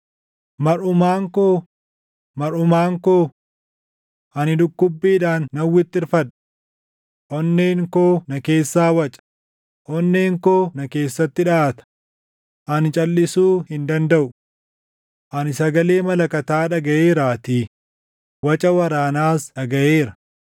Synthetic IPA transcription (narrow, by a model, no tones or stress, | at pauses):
mɐɾʊmaːŋkoː | mɐɾʊmaːŋkoː | ʔɐnɪd̪ʊkːʊbːiːᶑaːnːɐwːɪt̪ːɪɾfɐᶑɐ | ʔɔnːeːŋkoːnɐke̞ːsːaːwɐt͡ʃʼɐ̥ | ʔɔnːeːŋkoːnɐke̞ːsːɐt̪ːɪᶑaːt̪ɐ̥ | ʔɐnɪt͡ʃʼɐlːɪsuːhɪnd̪ɐnd̪ɐʔʊ | ʔɐnɪsɐɡɐle̞ːmɐlɐkɐt̪aːᶑɐɡɐʔeːɾaːt̪iː | wɐt͡ʃʼɐwɐɾaːnaːsᶑɐɡɐʔeːɾɐ̥